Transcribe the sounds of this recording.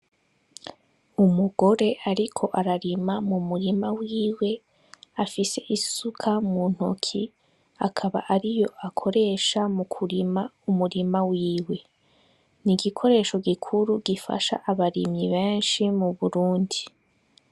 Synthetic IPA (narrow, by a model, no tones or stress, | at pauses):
umuɡo̞ɾe̞ʔaɾikʰo̞ʔaɾaɾimamumuɾimawiːwe̞ | afise̞ʔisukʰamun̥ho̰kʰi | akʰaβa̰ʔaɾijo̞ʔakʰo̞ɾe̞ːʃamukʰuɾimaumuɾimawiːwe̞ | niɡikʰo̞ɾe̞ːʃo̞ɡikʰuɾuɡifa̰ʃa̰ʔaβaɾimɲiβeːnʃimuβuɾuːndi